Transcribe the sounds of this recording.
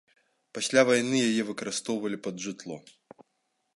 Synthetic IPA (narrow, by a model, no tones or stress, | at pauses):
pɐsʲlʲavɐjnɨjajɛvɨkɐɾɨst̪ɔvɐlʲipɐd̪ʐɨt̪lˠɔ